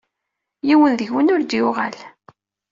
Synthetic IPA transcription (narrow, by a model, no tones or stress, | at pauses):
jiwənðəçwənʊɾd̪jʊʁa̰l